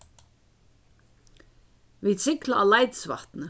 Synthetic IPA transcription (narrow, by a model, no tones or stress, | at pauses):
visɪklaʔːlajt̪sva̰ht̪nə